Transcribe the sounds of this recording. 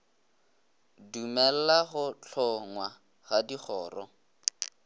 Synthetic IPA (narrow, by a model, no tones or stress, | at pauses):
dumɛl̩laɣʊt͡ɬʰɔŋwa | ɣadiχɔːrɔ